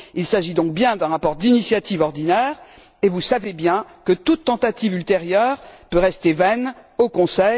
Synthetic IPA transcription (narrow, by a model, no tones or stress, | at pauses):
ilsaʒid̪ɔ̃k̚bjɛ̃d̪ɛ̃ʁapɔʁd̪inisjat̪ivɔʁd̪inɛʁ | evusavebjɛ̃kət̪ut̪ːɑ̃t̪at̪ivylt̪eʁjœːʁpøʁɛst̪evɛnokɔ̃sɛ